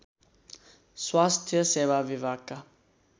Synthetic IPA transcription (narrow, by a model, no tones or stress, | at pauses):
swast̪ʰiəsɛvavivaka